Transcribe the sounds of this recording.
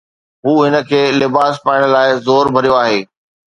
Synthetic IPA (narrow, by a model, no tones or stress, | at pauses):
ɦuːɦɪnə̆kʰeːlɪbaːspaːɪ̃ɽ̃laːɪzoːɾbʱɐɾijoaːɦeː